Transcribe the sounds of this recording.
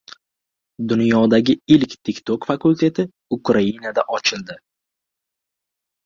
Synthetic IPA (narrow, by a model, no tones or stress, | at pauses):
d̪ʊnjɒd̪aɡʲɪɪlkʲt̪ʰɪkʲt̪ʰokfakʊlʲt̪ʰe̞t̪ʰɪ | ʊkɾainad̪aʔɒt͡ʃʰɪld̪ɪ